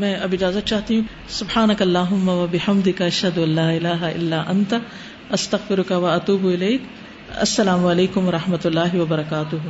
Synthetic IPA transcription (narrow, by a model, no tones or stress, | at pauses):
mɛ̃ːɐbɪd͡ʒaːzɐt̪̚t͡ʃaːt̪iɦũ | sʊbħaːnɐkɐlːaːɦʊmːɐwɐbɪħɐmd̪ɪkaɐʃhɐd̪ʊɐlːaːɪlaːɦaʔɪ̰lːaːʔɐnt̪ɐ | ʔɐst̪ɐɣfɪɾʊkɐwɐɐt̪uːbʊɪleːk | ɐ̰sːɐlaːmʊɐleːkʊmʋɐɾˤɐħmɐt̪ʊlːaːɦɪwɐbɐɾɐkaːt̪ʊɦ